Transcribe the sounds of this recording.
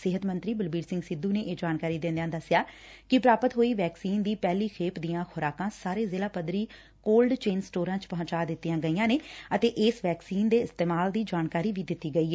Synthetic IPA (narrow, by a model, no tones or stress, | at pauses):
sɪɦət̪mənt̪ɾiːbəlbiːɾsɪ̃ŋɡsɪd̪ũːneːʔeːd͡ʒaːnkaːɾiːd̪ɪ̃nd̪ãːd̪əsːɪjaːkɪpɾaːpət̪ɦoːiːʋɛːksiːnd̪iːpɛːliːkʰeːpd̪ijãːxʰʊɾaːkãːsaːɾeːzeːlaːpəd̪ɾiː | koːlɖt͡ʃeːnsʈoːɾãːt͡ʃpəɦə̃t͡ʃaːd̪ɪt̪ːijãːɡəiːjãːneːət̪eːʔɪːsʋɛːksiːnd̪eːɪst̪eːmaːld̪iːd͡ʒaːnkaːɾiːʋiːd̪ɪt̪ːiːɡəiːɦɛː